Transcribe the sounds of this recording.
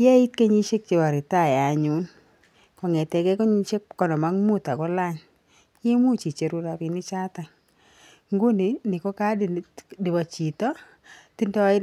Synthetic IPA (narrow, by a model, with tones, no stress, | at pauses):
je˦i˦t̚ke˦ɲi˦ʃe˦k̚t͡ʃe˨ba˨ɾɪ˨ta˦˨ja˨ɲu˦n | kɔ˨ŋɛ˨tɛ˨kɛ˦kɔ˦ɲi˦t͡ʃe˦kːɔ˨nɔ˨ma˦ŋmu˦ta˨kɔ˦la˦ɲ | je˦mu˦t͡ʃi˨t͡ʃe˨ɾu˦ɾa˨pi˨ni˦t͡ʃa˦ta˨ŋ | ŋɡu˦ni˨nɪ˨kɔ˦ka˦ddi˨ba˨t͡ʃi˨tɔ˦ | ti˦ndɔ˦ɪ˦